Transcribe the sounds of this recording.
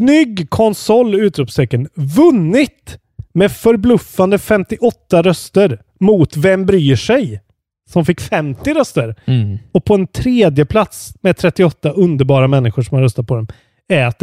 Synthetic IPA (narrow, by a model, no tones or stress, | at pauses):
nʏɡːkʰɔnsɔlːʉ̟ːt̪ɾupst̪ɛkːənvɵnːɪt̪ | mɛfœɾblɵfːand̪əfɛmt̪ɪʔɔt̪ːaɾœst̪əɾ | mut̪vɛmbɾyːʂɛj | sɔmfɪkːfɛmt̪ɪɾœst̪əɾɔpʰɔɛnt̪ʰɾeːd̪jəpʰlat̪smɛt̪ʰɾɛt̪ːɪɔt̪ːaʔɵnd̪əɾbɑːɾamɛnːɪɧʊʂɔmhaɾœst̪at̪̚pʰɔd̪ɛm | ɛːt̪